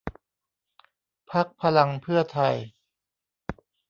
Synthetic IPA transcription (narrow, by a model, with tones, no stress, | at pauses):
pʰa˦˥k̚pʰa˧la˧ŋpʰɯ˥˩ɐt̪ʰa˧˩j